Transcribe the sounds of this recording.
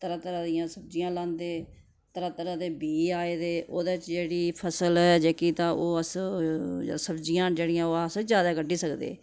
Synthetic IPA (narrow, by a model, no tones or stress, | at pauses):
t̪əɾaːt̪əɾãːd̪ɪjãːsəb̚d͡ʒɪjãːlãːnd̪eː | t̪əɾaːt̪əɾãːd̪eːbiːaːeːd̪eːʔoːd̪eːɪt͡ʃd͡ʒeːɽiːpʰəsəlɛːd͡ʒeːkiːt̪ãːʔoːəs | səbd͡ʒɪjãːd͡ʒeːɽɪjãːoːəsd͡ʒjaːd̪aːɡəɖiːsəkd̪ḛː